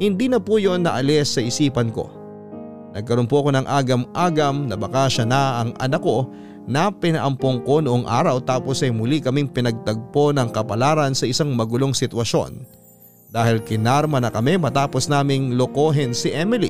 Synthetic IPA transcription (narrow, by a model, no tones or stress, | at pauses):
hɪnd̪iːnɐpuːjonːɐʔɐlɛsːɐʔɪsiːpɐnko̞̰ | nɐɡ̚kɐɾonpoʔɐko̞nɐŋʔaːɡɐmʔaːɡɐmnɐbɐkaʃɐnɐɐŋʔɐ̰nɐko̞ | nɐpɪnɐʔɐmpoŋko̞nʊʔoŋʔa̰ːɾɐwt̪aːpo̞sɐjmʊlikɐmiŋpɪnɐɡ̚t̪ɐɡ̚po̞nɐŋkɐpɐlaːɾɐnsɐʔɪsaŋmɐɡʊlo̞ŋsɪt̪wɐʃo̞̰n | d̪aːhɪlkɪnaɾmɐnɐkɐmɛmɐt̪aːpo̞snaːmɪŋloko̞ɦɪnsɪʔɛmɪlḭ